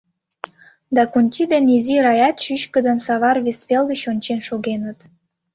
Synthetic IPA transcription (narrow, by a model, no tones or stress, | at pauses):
d̪ɑkunʲt͡ɕid̪eniziɾɑjɑt̪ʃyʃkə̆d̪ənsɑβɑrβespelɣət͡ɕonʲt͡ɕenʃoɣenət̪